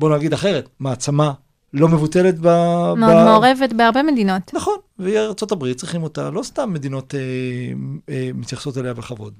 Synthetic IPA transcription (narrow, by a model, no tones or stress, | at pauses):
bo̞naɡid̪aχe̞ʁetmaːt͡sama | lo̞me̞vuteletbameodmeoʁevetbeaʁbemedino̞t̪naχo̞nveiaʁt͡so̞tabʁit̚t͡sʁiχimo̞ta̰lo̞stamːe̞dino̞te | mit̪jaχso̞talejabeχavo̞d